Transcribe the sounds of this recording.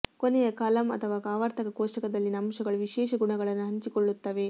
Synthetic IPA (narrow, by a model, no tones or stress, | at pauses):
konejɐkɐlɐmɐ̰t̪ʰɐʋaːkaːʋɐɾt̪ʰɐkɐkoːʂɐkɐd̪ɐlːinɐmʂɐɡɐɭuʋiʃɛːʂɐɡuɳɐɡɐɭɐnːuɦɐɲt͡ʃikoɭːut̪ːɐʋe̞